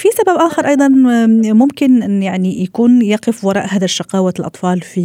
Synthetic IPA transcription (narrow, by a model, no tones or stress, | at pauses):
fisababʔaːxɑɾˤʔɑjd̪ˤɑnmʊmkɪnjaʕnijakuːnjɑːqɪfwɑɾˤɑ̰ːʔhaːðaʃːɑqɑːwalʔɑ̰t̪ˤfɑːlfi